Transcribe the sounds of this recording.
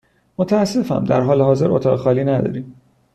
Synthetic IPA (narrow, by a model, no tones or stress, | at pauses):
mot̪ʰææsːe̞fæ̰md̪æ̰ɾɦɒːleɦɒːze̞ɾʔot̪ʰɒːɣexɒːliːnæd̪ɒ̰ːɾiːm